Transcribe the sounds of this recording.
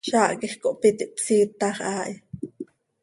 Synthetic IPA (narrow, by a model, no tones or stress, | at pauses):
ʃaːʔkiχkoʔpit̪iʔpsiːt̪ːɑχʔaːʔj